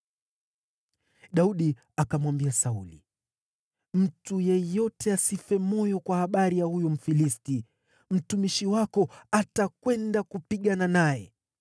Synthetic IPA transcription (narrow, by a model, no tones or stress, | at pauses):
ɗauɗi | akamwambiasaulḭ | m̩tujɛjɔtɛasifɛmɔjɔkwahaɓaɾijahujɔm̩filisti | m̩tumiʃiwakɔatakwɛndakupiɠananajɛ̰